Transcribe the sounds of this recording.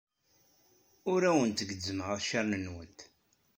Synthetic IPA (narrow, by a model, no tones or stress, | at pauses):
ʊɾæwənt̪əɡəd͡zːəmʁəðˤʃəɾˤnənwənt̪